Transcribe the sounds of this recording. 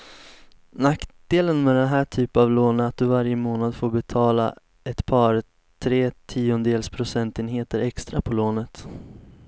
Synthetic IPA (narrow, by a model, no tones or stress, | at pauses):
nakd̪̥eːlənmɛd̪ɛnɦæːʈʰyːpavloːnəat̪̚d̪ɵvaɾjəmoːnad̪foːbɛt̪ʰɑːla̰ | ɛt̪pʰɑːɾ | t̪ʰɾeːt̪ʰiːʊnd̪eːlspʰɾʊsɛnt̪ɪːnɦeːt̪əɾɛkst̪ɾapʰɔloːnət̪